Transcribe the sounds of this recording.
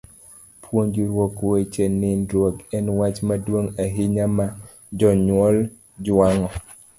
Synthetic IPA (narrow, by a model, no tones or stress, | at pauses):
pʰwoɲd͡ʒiɾwokwet͡ʃɛnɪndwoɡɛnwat͡ʃmadwoŋaɦɪɲama | d͡ʒɔɲwɔl | d͡ʒaŋɔ